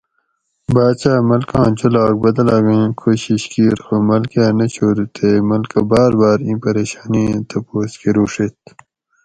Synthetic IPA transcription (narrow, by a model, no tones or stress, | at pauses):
baːt͡ɕaːmɐlkɑ̃ːt͡ɕulaːk̚bɐd̪ɐlaːɡĩːkʰoːɕiɕkiːɾxomɐlkjaːnɐt͡ɕʰoːɾut̪ʰemɐlkɐbaːɾbaːɾĩːpɐɾeːɕaːnĩt̪ɐpoːskiɾuːʂet̪̚